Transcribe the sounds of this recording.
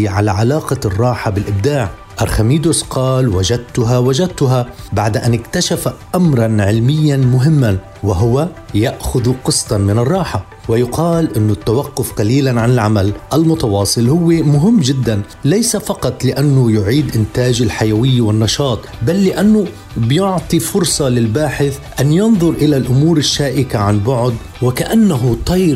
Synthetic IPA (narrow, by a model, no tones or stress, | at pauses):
ʕalaʕalaːqɑrˤːɑːħabɪlʔɪb̚d̪aːʕ | ʔaɾˤxamiːd̪ʊsqɑːlwaʒad̪̚t̪ʊɦawaʒad̪̚t̪ʊɦabaʕd̪ʔanɪkt̪aʃafaʔamɾˤɑnʕɪlmɪjːanmʊɦɪmːan | wɪɦʊwajaʔxʊðqɨsˤt̪ɑmɪnɨrˤːɑːħa | wɪjʊqɑːlʔɪnːʊt̪ːawaqːʊfqɑliːlanʕanɪlʕamalʔalmʊt̪ɑwɑːsˤɨlhʊwːemʊɦɪmːd͡ʒɪd̪ːan | lajsafɑqɑt̪ˤlɪʔanːʊjʊʕiːd̪ʔɪnt̪aːʒɪlħajawɪjːawɪnːɑʃɑːt̪ˤbalːɪʔanːʊ | bjʊʕt̪ˤifʊɾsˤɑlɪlbaːħɪθʔanjɑnðˤʊɾʔɪlalʔʊmuːɾɪʃːaːʔɪkaʕanbʊʕd̪ | wɪkaʔanːaɦʊt̪ˤɑjɾ